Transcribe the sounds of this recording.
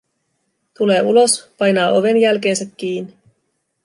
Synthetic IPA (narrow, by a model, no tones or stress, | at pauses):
t̪ule̞ːulo̞spɑjnɑːʔo̞ʋe̞njælke̞ːnsækʲːiːnːi